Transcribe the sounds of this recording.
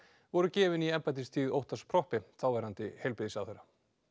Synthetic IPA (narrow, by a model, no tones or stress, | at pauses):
vɔɾʏcɛːvɪniɛmpat̪̬ist̪ʰiːðowht̪aspʰɾɔhpɪθawvɛɾant̪ɪhejlpɪðisawθejɾa